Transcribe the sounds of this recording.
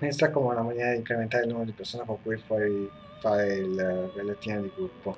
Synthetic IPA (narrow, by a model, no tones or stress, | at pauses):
esakːomeunamanɛːɾad̪iŋkɾement̪aɾelnuːmeɾod̪ipersoːnekoŋkuːjfwɔɾi | faɾelrelːat̪iːned̪iɡɾupːo